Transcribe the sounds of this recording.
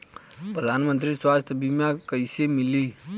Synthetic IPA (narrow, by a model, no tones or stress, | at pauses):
pɾəd̪ʱanmənt̪ɾiswast̪ʰjəbʱimjakəjsemili